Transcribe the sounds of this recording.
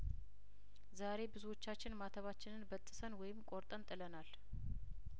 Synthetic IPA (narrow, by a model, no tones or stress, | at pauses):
zaɾe̞bɨzuwo̞t͡ʃːat͡ʃːɪnmat̪ʰəβat͡ʃːɪnɨnbət̪ʼːɨsənwɔjɪmkʼoɾt̪ʼənt̪ʼɨlənal